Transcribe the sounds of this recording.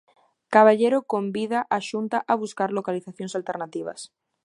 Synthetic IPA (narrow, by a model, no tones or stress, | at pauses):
kaβaʎeɾokombiðaʔaʃunt̪aʔaβuskaɾlokaliθaθjõŋsalt̪eɾnat̪iβ̞ɐ̰s